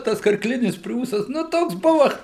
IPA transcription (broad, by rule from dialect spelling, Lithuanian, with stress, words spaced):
ˈtɐs kɐrkˈlʲɪnʲɪs ˈpʲrʲuːsɐs nʊ ˈtoːks ˈbʊʋɐ